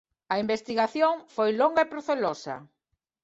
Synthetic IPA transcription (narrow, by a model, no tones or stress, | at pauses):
ɐimbest̪iɣaθjoŋfojloŋɡɐepɾoθelosɐ̰